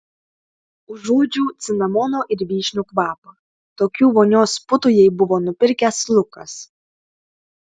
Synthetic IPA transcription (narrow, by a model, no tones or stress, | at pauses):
ʊʒuːd͡ʒʲuːt̪sʲɪnɐmɔːnoːʔɪɾʲʋʲiːʃʲnʲukʋɑːpɐ | t̪oːkʲuːʋoːnʲoːspʊt̪ʊjɛɪbʊʋoːnʊpʲɪɾʲkʲɛslˠʊkɐs